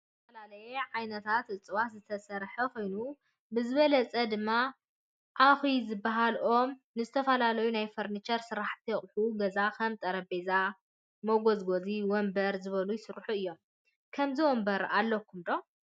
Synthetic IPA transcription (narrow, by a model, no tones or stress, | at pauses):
zɐfɐlalɐjɛʕajnɐt̪ʰat̪ʔɨt͡sʼɨwat̪zɨt̪ʰɐsɐɾħɐkʰo̞jnu | bɨzɨβɐlɐt͡sʼɐd̪ɨmːa | ʔaxizɨbːaɦalʔo̞mnɨzɨt̪ʰɐfɐlalɐjunajfoɾnit͡ʃɐɾsɨɾaħt̪ʰijɛχʼħuɡɐzakʰɐmt̪ʼɐɾɐbeza | moɡozɡo̞ziwɔmbɐɾzɨβɐlujɪsɨɾħuɨjːo̞m | kʰɐmzɨwɔmbɐɾalːɐkʰːumd̪o̞